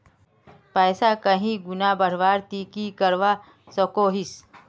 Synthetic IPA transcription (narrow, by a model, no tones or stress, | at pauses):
pɛːsakəɦĩɡʊnabəɽ̤ʋaːɾt̪iːkikəɾʋa | sokoːɦɪs